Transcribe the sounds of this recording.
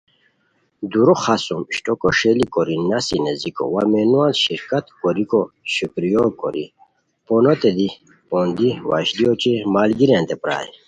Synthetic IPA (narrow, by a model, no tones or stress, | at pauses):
d̪uɾoχasumɕʈɔkɔʂelikoɾinasineziko̰wamenualɕiɾkat̪kɔɾikoɕukɾijokɔ̰ɾḭ | ponot̪ed̪i | pond̪iwa̰ɕd̪ijot͡ɕimaːlɡiɾẽnt̪epɾa̰ːḭ